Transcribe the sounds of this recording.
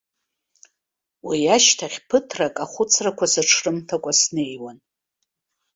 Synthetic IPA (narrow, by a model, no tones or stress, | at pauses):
wijaʃtʰaχʲpʰɨtʰrakʼaχʷʊt͡sʰrakʷʰasɨʈ͡ʂʰrɨmtʰakʷʼasne̞jwan